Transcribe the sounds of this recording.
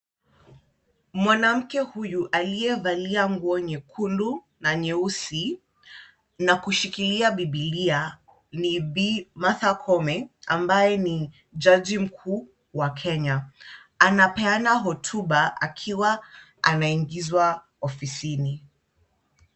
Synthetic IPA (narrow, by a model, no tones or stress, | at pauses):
mwanam̩kɛhujuʔalijɛvaliaŋɡuɔɲɛkʰulu | naɲɛusi | nakuʃikiliaɓiɓilia | nibimaθakʰɔmɛa̰mbajɛni | d͡ʒad͡ʒim̩kʰuː | wakʰɛɲa | anapɛanaɦɔtʰuɓaa̰kʰiwa | anaiŋɡizwa | ɔfisini